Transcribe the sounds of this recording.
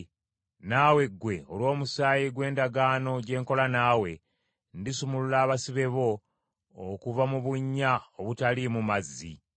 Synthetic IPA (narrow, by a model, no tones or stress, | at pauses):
naːwe̞ɡwe̞olwo̞ːmusaːjiɡwe̞ːndaɡaːno̞ɟe̞ːŋko̞lanaːwe̞ | ndisumululaːβasiβe̞βo̞ː | kuvamuβuɲːaoβutalimumazːḭ